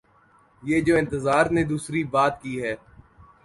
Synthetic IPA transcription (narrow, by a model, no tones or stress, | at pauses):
jeːd͡ʒoːɪ̃nt̪əzaːɾned̪uːsɾibaːt̪kiːɦɛː